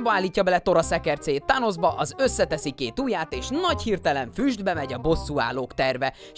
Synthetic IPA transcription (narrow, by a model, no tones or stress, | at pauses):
bɒaːlːiːcːɒbɛlɛt̪o̞ɾɒsɛkɛrt̪seːt̪ːano̞zbɒʔɒzø̞sːɛt̪ɛsikeːt̪uːjaːt̪eːʃnɒchirt̪ɛlɛɱfyːʒd̪bɛmɛɟɒbo̞sːua̰ːloːkt̪ɛrvɛ